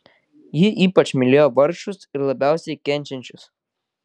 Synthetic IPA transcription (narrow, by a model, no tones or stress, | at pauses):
jɪʔiːpɐt͡ʃʲmʲɪlʲeːjoʋɐɾʃʊsɪɾlˠɐbʲæˑʊsʲɛɪkʲɛnʲˑt͡ʃʲɛnʲt͡ʃʲʊs